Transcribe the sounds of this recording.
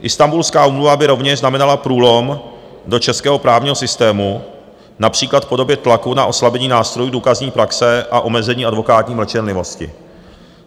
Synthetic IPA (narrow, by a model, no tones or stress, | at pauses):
ʔɪst̪ambulskaːʔuːmluvabɪɾo̞vɲɛʃznamɛnalapɾuːlo̞m | do̞t͡ʃɛskɛːɦo̞pɾaːvɲiːɦo̞sɪst̪ɛːmu | napr̝̥iːklat̪po̞do̞bjɛt̪lakunaʔo̞slabɛɲiːnaːst̪ɾo̞juduːkazɲiːpɾaksɛʔaʔo̞mɛzɛɲiːʔadvo̞kaːt̪ɲiːmlɛt͡ʃɛnlɪvo̞scɪ̰